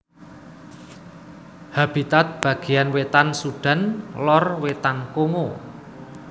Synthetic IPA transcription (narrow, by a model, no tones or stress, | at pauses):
hab̥it̪at̪̚b̥ä̤ɡ̥e̤janwet̪ansuɖ̥a̤nlɔrwet̪ankoŋo